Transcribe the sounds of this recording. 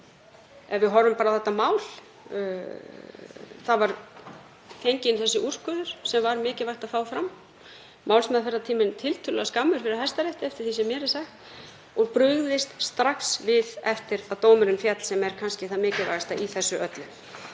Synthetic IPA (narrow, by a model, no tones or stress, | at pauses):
ɛvvɪðɦɔvʏmpaːɾaθɛt̪ːamaːwl̥ | θaðvaɾ | θejɲcɪnθɛsːʏʔur̥kʏðʏɾ̥sɛmvaɾmɪːcɪvajxt̪aðfaːwfɾamː | aːwlsmɛðθfɛrːat̪ʰiːmɪnt̪ʰɪlt̪ʰʏlaaskamːʏɾ̥fɪɾɪðhɛst̪aɾɛht̪ɪɛft̪ɪɾ̥θisɛmːjɛːɾɪsaxt̪ | ɔɣpɾʏɣðɪst̪st̪ɾaksvɪðɛft̪ɪɾaðt̪oːwmʏɾʏnfjat̪l̥sɛmɛɾ̥kʰanscɪθaðmɪːcɪva̰jɣast̪aiθɛsːʏʔœt̪lʏ